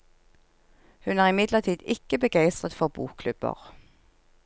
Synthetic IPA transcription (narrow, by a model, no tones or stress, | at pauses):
hʉnæːʁɪmɪd̪ləʁt̪ʰiːd̪ɪkəbəɡæɪst̪ʁət̪fɔʁbṵːkkʰlʉbə̰ʁ